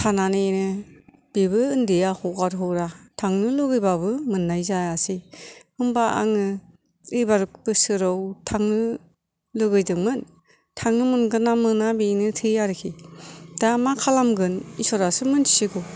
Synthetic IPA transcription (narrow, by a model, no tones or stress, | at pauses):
tʰananɯinɯ | b̥ibɯɯndijahɔɡaɾɦɯwɾatʰaŋnɯlɯɡɯjbabɯmɯnːajzaasihɯmbaa̰ŋɯ | ɯjbaɾuk̚b̥ɯsɯɾɯwtʰaŋnɯ | lɯɡɯjdɯŋmɯn | tʰaŋnɯmɯnɡɯnamɯnabinɯtʰɯaɾɯkʰid̥amakʰalamɡɯnisɔɾasɯmɯntʰi̥siɡɔ